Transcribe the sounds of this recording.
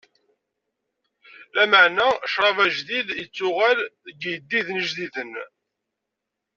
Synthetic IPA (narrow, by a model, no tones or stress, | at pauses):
læməʕnæʃɾˤɑvæʒðiðjət͡sːʊʁælɡijd̪ːiðnəʒðiðən